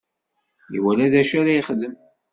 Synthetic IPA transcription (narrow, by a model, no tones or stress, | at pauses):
ḭwælæðæʃaɾæjəχðəm